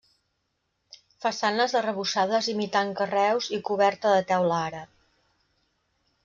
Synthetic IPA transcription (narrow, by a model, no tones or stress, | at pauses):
fəsanəzðərəβ̞usaðəzimit̪aŋkərɛwzikuβɛɾt̪əðət̪ɛwlaɾə